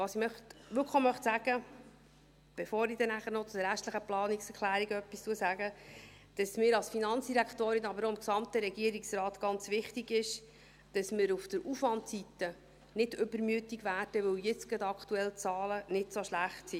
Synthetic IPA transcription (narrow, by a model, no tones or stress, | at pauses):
ʋɑsimœχtʋʏkʰəmœχtsæɡ̥ə | b̥efoːɾid̥ɛnæχəɾnɔt͡sʊdəɾæʃt̪ləχəplɑːniksɛkʰlæːɾiɡœpːistuəsæɡə | d̥ɑsmɪːɾɑlsfinɑnt͡sd̥iɾæktoːɾinɑbəɾoɪmksɑmt̪əɾɛɡiəɾiksrɑːt̪ɡ̥ɑnt͡sʋɪχtiɡɪʃ | d̥ɑsmɪɾufd̥əɾufʋɑntsit̪ə | nɪdʏbəɾmyətiɡʋæːɾd̥əʋɪwjɪt͡sɡɑd̪ɑkʰtuɛlt͡sɑːlənɪtsoʃlæχtsi